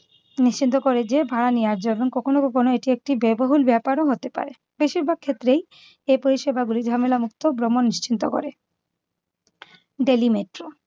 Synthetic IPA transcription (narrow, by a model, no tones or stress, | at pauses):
niʃt͡ɕint̪okoɾed͡ʑebʱaɾaniad͡ʑoeboŋkɔkʰonokɔkʰonoeʈiek̚ʈibeboɦulbɛpaɾoɦot̪epa̰ɾe | beʃiɾbʱaɡ̚kʰet̪ːɾej | epoɾiʃebaɡuliɾd̪ʱamelamukt̪obɾomonːiʃt͡ɕint̪oko̰ɾe | ɖelimeʈɾo